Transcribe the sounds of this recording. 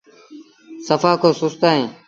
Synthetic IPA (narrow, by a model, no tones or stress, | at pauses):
səfaːkʰoːsʊst̪aːɦẽː